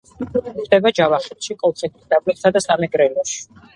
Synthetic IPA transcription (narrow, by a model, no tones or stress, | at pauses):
χd̪ɛbad͡ʒavaχɛt̪ʃikʼɔlˠsʰɛt̪ʰisd̪ablitsad̪asamɛɡɾɛlɔʃi̥